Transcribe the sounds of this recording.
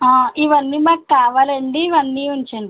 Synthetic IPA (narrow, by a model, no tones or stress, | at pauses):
aːiʋɐnːiːmaːkkaːʋaːlɐɳɖiːʋɐnːiːuɲt͡ʃeɳɖi